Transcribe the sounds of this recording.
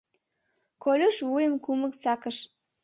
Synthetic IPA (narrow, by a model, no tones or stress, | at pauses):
kolʲuʃβujəmkuməksɑkəʃ